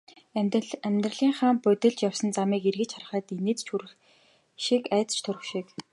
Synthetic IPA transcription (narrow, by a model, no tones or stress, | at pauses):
æmʲt̪rə̆ɮiːŋχaːmpʊt̪ɪ̆ɮt͡ɕjawsə̆nt͡samiːkirɣɘ̆t͡ɕχarə̆χæːt̪ineːt͡st͡ɕʰuɾ̆ | ʃikæːt͡s̪t͡ɕt̪ʰɵɾɵ̆xʃik